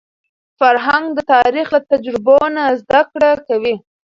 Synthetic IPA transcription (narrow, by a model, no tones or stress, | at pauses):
faɾɦaŋɡd̪ət̪ɑɾixlat̪ad͡ʒɾɪbonazd̪akɽakawi